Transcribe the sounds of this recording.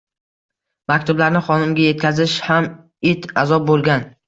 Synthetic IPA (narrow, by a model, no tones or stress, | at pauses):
mak̚ʲt̪ʰʊblaɾnɪχɒnɪmɡʲaje̞t̪kʲʰazɪʃham | ɪt̪azɒp̚bolˠɡʲan